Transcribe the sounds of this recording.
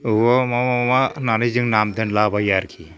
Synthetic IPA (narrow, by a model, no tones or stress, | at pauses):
ɯwɔmamamananɯjzɯŋnamdɯnlabajaɾkʰi